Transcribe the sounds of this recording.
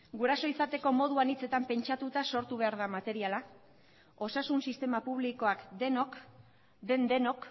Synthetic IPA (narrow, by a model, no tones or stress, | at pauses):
ɡuɾaso̞isat̪e̞ko̞mo̞ð̞uanit͡se̞t̪ampe̞nt͡ʃat̪ut̪aso̞ɾt̪uβ̞e̞aɾð̞amat̪e̞ɾiala | o̞sasunsist̪e̞mapuβliko̞akd̪enok | d̪e̞nd̪e̞no̞k